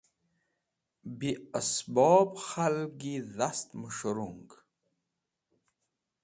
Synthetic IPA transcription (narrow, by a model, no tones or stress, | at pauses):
biasbɔːbχalɡiðast̪məʂəɾuŋɡ